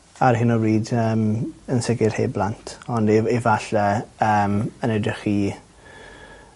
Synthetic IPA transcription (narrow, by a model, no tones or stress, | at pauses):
arhɪnɔriːdəːmənsɪɡɪrhḛːblˠantʰɔndivaɬɛəːmənɛdrɪχi